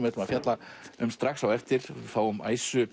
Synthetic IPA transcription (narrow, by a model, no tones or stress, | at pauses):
mvɛt̪maðfjat̪laʏmst̪ɾaxsawɛft̪ɪɾ̥θawʏmʔa̰ːjsʏ